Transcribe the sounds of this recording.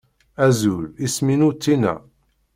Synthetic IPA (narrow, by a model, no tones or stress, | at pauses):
æzulisminut̪ːinæ̰